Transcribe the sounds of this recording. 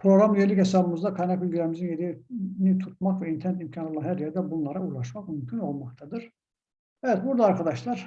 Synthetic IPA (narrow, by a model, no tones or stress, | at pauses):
pʰɾoɣɾamjelicʲhesɑbɯmɯzd̪ɑkʰɑnɛkylʲɡʲiɾæɾmizinjeɾinit̪ʰut̪̚mɑχvæint̪ʰeɾnet̪imcʰɑnolˠɑnhæɾjeɾd̪æbunlˠɑɾɑulˠɑʃmɑχmymcʰyno̞lˠmɑqt̪ʰɑd̪ɯɾ | ɛjt̪buɾd̪ɑːɾkʰɑd̪ɑʃlˠɑɾ